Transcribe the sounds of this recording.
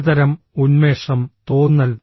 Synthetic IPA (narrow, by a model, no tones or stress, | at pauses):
ðɐɾɐm | unmeːʂɐmt̪oːnːɐl